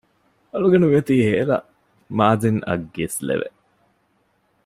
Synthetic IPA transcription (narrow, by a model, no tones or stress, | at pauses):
ɐluɡenuʋiɐt̪iːheːlɐ̰ | maːzinɐ̰ɡːeslḛʋḛ